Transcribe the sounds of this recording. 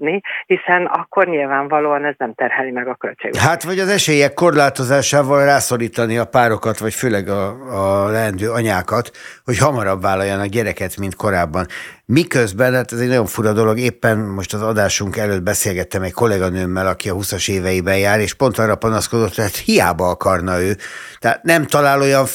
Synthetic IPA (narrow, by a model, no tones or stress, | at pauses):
nihisɛnɒkʰːo̞rɲilvaːɱvɒloːɒnɛznɛmt̪ɛrhɛlimɛɡɒkølt͡ʃɛ̰ɡɦaːt̪vɒɟɒzɛʃeːjɛkːo̞rlaːt̪o̞zaːʃaːvɒlraːso̞liːt̪ɒniɒpaːɾo̞kɒt̪ʋɒcføːlɛɡɒː | lɛɛnd̪øːɒɲaːkɒt̪ho̞chɒmɒɾɒbvaːlːɒjːɒnɒkɟɛɾɛkɛt̪mint̪ko̞ɾaːbːɒnmikøzbɛnhaːt̪ɛzɛɟnɒɟo̞ɱfuɾɒd̪o̞lo̞ɡeːpːɛnmo̞ʃt̪ɒzɒd̪aːʃuŋkɛløːd̪̚bɛseːlɡɛt̪ːɛmɛcko̞lɛɡɒnøːmːɛlɒkiɒɦusɒʃeːvɛjibɛjaːɾeːʃpo̞nt̪ɒrːɒpɒnɒsko̞d̪o̞t̪ːɛɦat̪hijaːbɒɒkɒrnɒøːt̪ɛat̪nɛmt̪ɒlaːlo̞jɒɱ